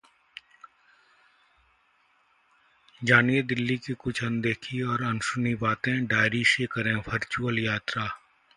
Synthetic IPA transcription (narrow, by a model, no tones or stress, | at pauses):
d͡ʒaːnied̪ɪlːikikʊt͡ʃʰɐ̃nd̪eːkʰiɔːɾɐnsʊnibaːt̪ẽɖaːɪɾiʃeːkɐɾẽʋʰəɾt͡ʃuːəljaːt̪ɾaː